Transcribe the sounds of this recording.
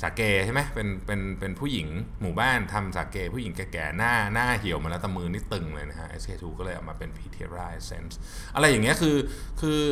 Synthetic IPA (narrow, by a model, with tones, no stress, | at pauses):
saː˩˦˥keː˧t͡ɕʰa˥˩ma˦˥jpe˧npe˧npe˧npʰuː˥˩ji˩˦ŋmuː˨˩baː˥˩nt̪ʰa˧msaː˩˦˥keː˧pʰuː˥˩ji˩˦ŋkɛː˧˩kɛː˨˩naː˥˩naː˥˩ɦi˨˩˦wma˧lːt̪a˧mːɯː˧niː˦˥˩t̪ɯ˧ŋlɤː˧jna˦˥kʰa˦˥ʔḛ˦˥seː˧t̪ʰuː˧kɔː˥˩lɤː˧jʔa̰˨˩wmaː˧pe˧npʰiː˧t̪ʰḭ˧ɾaː˧˩jsḛ˦˥ns | ʔa˧ɾa˧jːa˨˩ŋːni˦˥ɐkʰɯː˧kʰɯː˧